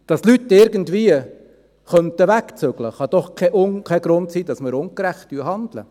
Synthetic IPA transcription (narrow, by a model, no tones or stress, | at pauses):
d̥ɑslytːɪɾɡən̩tviə | χœntəʋækt͡søɡ̥ləχɑd̥̪ɔχkʰɛʔʊŋkʰɛɡ̥ɾʊntsiːdɑsməɾʊŋkɾæχtdyːɦɑnd̪lə̰